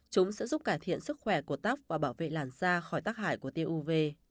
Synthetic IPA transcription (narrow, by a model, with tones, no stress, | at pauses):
t͡ɕʊ˨˦ŋ͡msɛ̰˧˥zu˦˥p̚kaː˧˩jt̪ʰḭ˧˨ənsɨ˦˥k̚xwɛ˧˩ku˧˩ət̪aː˦˥p̚vaː˨˩ɓaː˧˩wvḛ˧˨laː˨˩nzaː˧xɔ˧˩jt̪aː˦˥k̚haː˧˩jku˧˩ət̪e˧ʔu˧ve˧